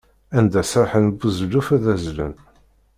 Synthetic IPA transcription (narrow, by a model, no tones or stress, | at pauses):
ænd̪æsɾħənbəzlufæðæzlə̰n